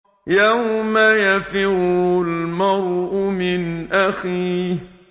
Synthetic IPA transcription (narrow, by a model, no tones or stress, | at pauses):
jawmajafɪɾʊlmɑɾˤʔʊmɪnʔaxiːh